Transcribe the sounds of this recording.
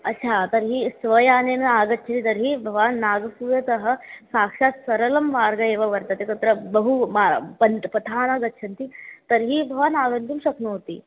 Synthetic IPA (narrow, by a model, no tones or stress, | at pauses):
ɐtːɕʰat̪əɾɦiːsʋəjaːnenaːɡɐt̪ːt͡ʃʰɐnit̪ɐɾɦiːbʱɐʋaːnːaːɡsujɐt̪ɐɦə̆saːkʂat̪sɐɾəlɐmʋaːɾɡɐeːʋɐʋɐɾt̪at̪ekɐt̪ɾəbɐɦumapɐnt̪pɐt̪ʰaːnaːɡɐtːʃʰɐnt̪it̪əɾɦiːbʱɐʋaːnaːɡɐnt̪umɕɐknoɦot̪ḭː